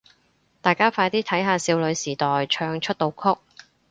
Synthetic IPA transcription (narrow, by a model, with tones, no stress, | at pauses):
t̪aː˨˩jkaː˥faː˧jt̪iː˥t̪ʰɐ˨˥jɦaː˨˧siː˧wlɵ˨˧ɥsiː˨˩t̪ɔː˨jt͡ʃʰœː˧ŋt͡ʃʰɵ˥t̚t̪o˧wkʰʊ˥k̚